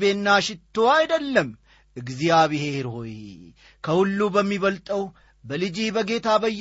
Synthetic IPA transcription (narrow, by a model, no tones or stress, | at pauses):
beːnːaːʃɪt̪ːowajɪd̪ɐlːɐm | ɨɡzɪjaːbɪheːɾhoj | kʰɐhʊlːuːbɐmːibɐlt̪ʼɐw | bɐlɪd͡ʒiːbɐɡe̞ːt̪aːbɐjː